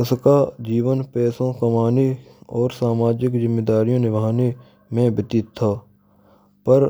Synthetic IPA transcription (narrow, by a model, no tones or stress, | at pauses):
ɪskad͡ʒiːʋənpɛːsõkɐmaːniɔːɾsaːmaːd͡ʒɪkzɪmːed̪aːɾijõnɪbʱaːne | mẽbɪt̪it̪ʰːaː | pəɾ